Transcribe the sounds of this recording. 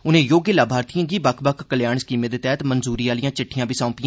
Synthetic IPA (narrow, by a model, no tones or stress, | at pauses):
ʊnɦẽjoːɡjəlaːbʱaːɾt̪ijãːɡibɐkʰbɐkʰkəljaːɳ̃skimed̪ət̪ɛːt̪mənzuːɾiːaːlijãːt͡ʃɪʈʰːijãːbɪsãːpij̃